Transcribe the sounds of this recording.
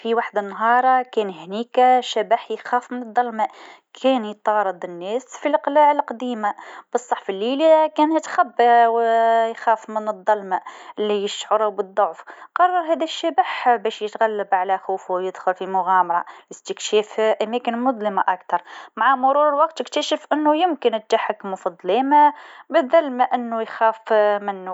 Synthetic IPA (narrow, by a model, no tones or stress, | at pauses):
fiwaħd̪anːɦɑːɾˤkɛːnhniːkaʃæbaħjxæːfmɪnɨd̪ˤːɑlma | kʰɛːnjət̪ˤɑːɾˤɨd̪ˤɪnːɛːsfilʔqlaːʕəlqɑd̪iːmab̥ɨsˤːɑħfəlːiːlikæːnhɪt̪xæbːawjxæːfmɪnəd̪ˤːɑlmaʔɪlːijəʃʕʊɾʊbəd̪ˤːoʕfqɑrˤːɑɾˤɦæːd̪æʃːæbəħbæːʃjət̪ɣælːabʕalæxuːfwjəd̪xʊlfimʊɣæːmɑɾˤɑ̰jɪst̪ɪkʃɛːfʔæmæːkɪnmʊd̪ˤləmaʔakt̪ɑɾˤmaʕamʊɾuːɾwɑqt̪ɪkt̪æʃɪfʔɪnːʊjɪmkɪnɪt̪ːaħakmʊfɑd̪ˤleːmabɪðːælmaʔɪnːujxæːfmɪnːu